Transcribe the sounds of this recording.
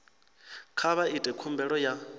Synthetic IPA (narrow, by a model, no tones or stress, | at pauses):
kʰaβaitʼɛkʰumbɛɺɔja